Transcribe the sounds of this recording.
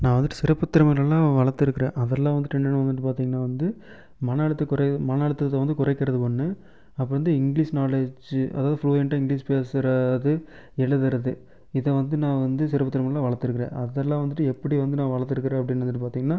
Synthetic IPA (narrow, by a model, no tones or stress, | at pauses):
nãːʋɐnd̪ɯʈːɯ̥sɪɾɐpːɯt̪ːɪɾɐmɐɣɛlːãːʋɐɭɐɾt̪ːɪɾɯkːɪɾḛ̃ːʔɐðɛlːãːʋɐnd̪ɯʈɛɳɐnːɯʋɐnd̪ɯʈːɯpaːɾt̪iːŋɡɐnːaːʋɐnd̪ɯ | mɐnɐɭɐt̪ːɐkʊɾɐmɐnɐɭɯt̪ːɐt̪ːɐʋɐnd̪ɯkʊɾɐɪkːɐɾɐðɯpɔɳːɯ | ɐpːɐɾʋɐnd̪ɯɪŋɡɭiːsnaːɭed͡ʒʔɐ̰ðaːðɯfluːɛɳʈːɐɪŋɡɭiːspeːsɾɐðɯ | ɛɻɯðɪɾɐðɯ | ɪðɛʋɐnd̪ɯnãːʋɐnd̪ɯsɪɾɐpːɐt̪ːɪɾɐmɐɣɐlaːʋɐɭɐɾt̪ːɯɾɯkːɪɾḛ̃ːʔɐðɛlːãːʋɐnd̪ɯʈːɯɛpːɐɽiʋɐnd̪ɯnãːʋɐɭɐɾt̪ːɪɾɯkːɪɾẽːɐpːɐɽɪnːʋɐndɯʈːɯpaːɾt̪iːŋɡɐnːaː